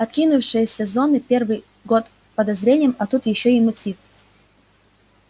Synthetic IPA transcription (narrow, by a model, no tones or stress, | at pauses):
ɐt̪kʲinʊfʂɨjəsʲɛzonɨpʲe̞rvɨj | ɡot̪ | pəd̪ɐzɾʲenʲɪjəmɐt̪ut̪jɪɕːoɪmɐtʲif